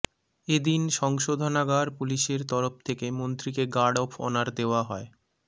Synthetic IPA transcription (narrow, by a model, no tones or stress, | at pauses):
ed̪inʃɔŋʃod̪ʱonaɡaɾpuliʃeɾt̪ɔɾoft̪ʰekemont̪ɾikeɡaɖɔfʰɔ̰naɾd̪eoaɦɔe